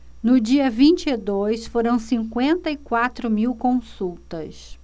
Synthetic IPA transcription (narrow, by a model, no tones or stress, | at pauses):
nʊd͡ʒiɐvĩnt͡ʃɪɪd̪ojsfoɾɐ̃w̃sĩŋkwẽnt̪ɐikwat̪ɾʊmiwkõsuwt̪ɐs